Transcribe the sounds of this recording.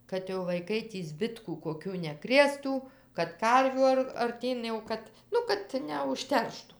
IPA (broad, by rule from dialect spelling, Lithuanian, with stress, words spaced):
kɐt jɛʊ ʋɐɪˈkɐɪ tʲiː ˈzʲbʲɪtkuː koːˈkʲuː nʲɛˈkrʲeːstuː kɐt ˈkɐrʲʋʲuː ɐr ɐrʲˈtʲiːn jɛʊ ˈkɐt ˈnʊ kɐt nʲɛʊʃʲˈtʲɛrʃtʊ